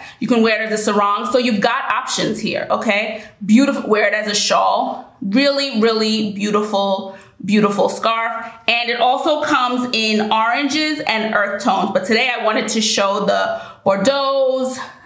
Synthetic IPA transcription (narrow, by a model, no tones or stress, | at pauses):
jɨkɨ̃nwɛɹɾɨzɨsə˞ɔ̃ŋsoʊjʉvɡɑɾɑpʃɨ̃nz̥hḭɹoʊkʰeɪbjʉɾəfwɛɹɨɾɨzɨʃɔlˠɹɪlˠiɹɪlˠibjʉɾəfl̩ˠ | bjʉɾəfl̩ˠskɑɹfɨ̃nɨɾʔɔlˠsoʊkʰʌ̃mzɪ̃nɔɹɨ̃nd͡ʒɪzɨ̃nɜ˞θtʰõʊ̃nzbʌtʰɨdeɪaɪwɑ̃ɾ̃ɨd̚tʰɨʃoʊðə̥ɔɹdoʊz̥